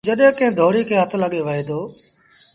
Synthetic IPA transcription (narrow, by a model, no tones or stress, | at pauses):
d͡ʒəɗɦkɐ̃ɦɪ̃d̪ʱoːɽiːkʰeːɦət̪ʰləɠeʋəɦiːd̪oː